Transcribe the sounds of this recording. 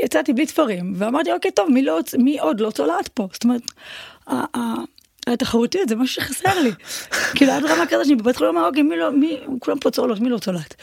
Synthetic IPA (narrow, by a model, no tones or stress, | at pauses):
jat͡sat̪iblit͡sfaʁimveamaʁt̪̬iokejt̪o̞vmilot͡smiʔodlo̞t͡solat̪po̞z̥o̥t̪ome̞ʁetaʔa | at̪aχaʁut̪itzemaʃu̥ʃeχaseʁlikiːluadʁamakazeʃ̬nibebetχlomaʁok̬emilomikulampot͡solotmilo̞t͡solat